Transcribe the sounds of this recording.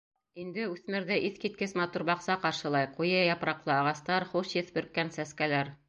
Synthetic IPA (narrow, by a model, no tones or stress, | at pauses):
ind̪ɘʉθmɘ̆ɾðɘʔiθkit̪̚kɘsmɑt̪uɾbɑqsɑqɑɾʃɤ̆lˠɑjqujɤjɑpɾɑqlˠɤɑʁɑst̪ɑɾχuʃjɘ̆θbɵ̆ɾkːænsæskælæɾ